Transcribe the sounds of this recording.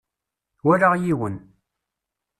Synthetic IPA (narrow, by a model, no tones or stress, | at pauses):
wæɾaʁjiwən